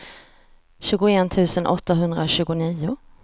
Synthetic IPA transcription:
ɕʉ̟ːɡʊeːnt̪ʰʉ̟ːsənʔɔ̰t̪ːaɦɵnd̪ɾaɕʉ̟ːɡʊniːʊ

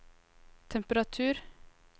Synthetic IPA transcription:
t̪ʰɛmpəɾɑt̪ʰʉːɾ

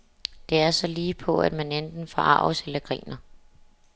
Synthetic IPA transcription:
d̥e̝æɐsɒ̽liːpʰɒ̽æd̥mænend̥n̩fɒʔɑ̈ʊ̰selɐɡ̥ʁḭːnɐ

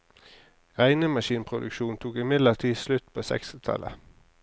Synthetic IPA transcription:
ʁæɪnəmɑʃiːnpʰʁʊd̪ʉ̰kʃuːnt̪ʰuːkɪmɪd̪ləʁt̪ʰiːslʉt̪pʰoːsɛ̰ksɪt̪ʰɑ̰lə̰

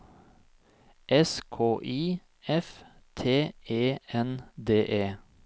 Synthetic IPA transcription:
ʔɛskʰoːʔiː | ɛf | t̪ʰeːeːɛnd̪eːʔeː

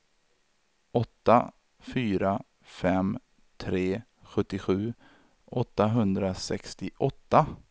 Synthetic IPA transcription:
ʔɔt̪ːa | fyːɾa | fɛm | t̪ʰɾeː | ɧɵt̪ːɪɧʉ̟ː | ʔɔt̪ːaɦɵnd̪ɾasɛkst̪ɪʔɔt̪ːa

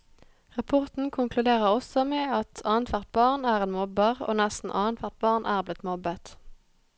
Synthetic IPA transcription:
ʁɑpʰɔʁt̪n̩kʰʊŋklʉd̪eːʁəʁɔsɔmeːɑt̪ʰɑːnt̪ʰʋæʁt̪̚bɑːʁnæːʁeːnmɔbəʁo̰ːnæst̪n̩ʔɑːnt̪ʰʋæʁt̪̚bɑːʁnʔæːʁblɪt̪mɔbət̪

